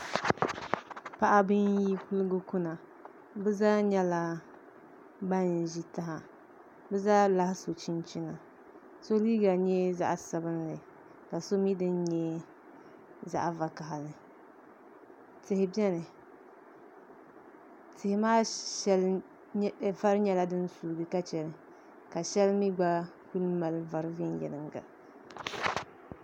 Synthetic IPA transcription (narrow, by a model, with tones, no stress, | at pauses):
pa˦˨ʔa˦bɨ˦nji˦ku˦lɨ˦ɡʊ˦ku˦na˨ | bɨ˦zaː˦ɲɛ˦la˦ | ba˦n˨ʒi˦ta˦ɦa˨ | bɨ˦zaː˦la˦hɪ˦so˨t͡ʃi˦nt͡ʃi˦na˨ | so˦liː˦ɡa˨ɲɛ˦za̰˦ʔsa˨bɨ˦n˦lɨ˨ | ka˨so˦mi˦dɨ˦n˦ɲɛ˦ | za̰˦ʔva˨ka˨ɦa˨nɨ˨ | tɪ˨hɪ˨bɛ˦nɨ˨ | tɪ˨hɪ˨maː˦ʃɛ˦l | va˦ɾɨ˦ɲɛ˦la˦dɨ˦n˦suː˨ɡɨ˨ka˦t͡ʃɛ˨lɨ˨ | ka˨ʃɛ˦lmi˦ɡ͡ba˦ | ku˦lma˨lva˨ɾɨ˦vi˦njɛ̰˨lɨ˨ŋɡa̰˨